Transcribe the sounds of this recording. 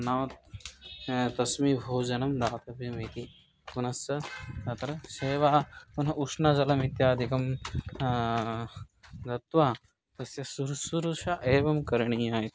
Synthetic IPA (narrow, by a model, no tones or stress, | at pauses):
nɐʋɐt̪ | t̪ɐsmibʱoːd͡ʒɐnɐmd̪aːt̪ɐpɐmɐt̪i | kunɐsjɐnɐt̪ɾɐseːʋaːunɐʔukʂnad͡ʒɐlɐmit̪jaːd̪ʱikɐm | d̪ɐt̪ʋaː | t̪ɐsjɐsuɾsuɾuʃaʔeːʋɐmkɐɾɳiːaːjit̪